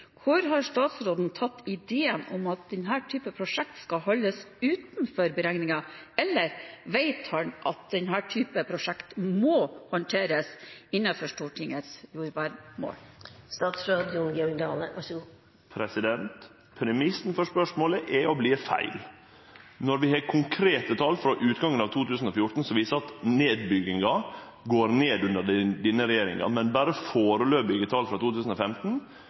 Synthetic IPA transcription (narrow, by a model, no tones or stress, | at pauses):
kʰʊɾɦɑɾʂt̪ɑːt̪sɾoːd̪n̩t̪ʰɑt̪ːɪd̪eːənɔ̰mɑt̪̚d̪ɛnɦæːʈʰyːpəpʰɾʊʂɛk̚t̪skɑhɔlːəsʉːt̪n̩fɔɾbəɾæŋnɪŋɑɛlːəɾʋeɪt̪hɑnʔɑt̪̚d̪ɛnɦæːʈʰyːpəpʰɾʊʂɛkt̪moːhɑnʈ̪ʰeːɾəsɪnːɑfɔʂʈuːʈʰɪŋət̪sjuːɾʋæɾmo̰ːlst̪ɑːt̪sɾoːd̪jʊŋɡɛɔɪŋd̪ɑːləɑʂ | pʰɾɛsɪd̪ɛnt̪ | pʰɾɛmɪsn̩fɔʂpœʂmoːləʔɛɔbliːfæ̰ɪl | nɔɾʋɪhɑkʰʊŋkʰɾeːt̪ət̪ʰɑlfɾɑʔʉːt̪ɡɑŋːənɑʋt̪ʰuːt̪ʉːsən̩ɔfjʊʈn̩sɔʋiːsəɾɑt̪neːd̪̚bʏɡɪŋɑɡoːɾneːd̪ʉnd̪əd̪ɪnːəɾɛjeːɾɪ̰ŋɑ̰mɛnbæːɾəfoːɾəløːbʏɡət̪ʰɑlfɾɑt̪uːt̪ʉːsən̩ɔfɛmt̪n̩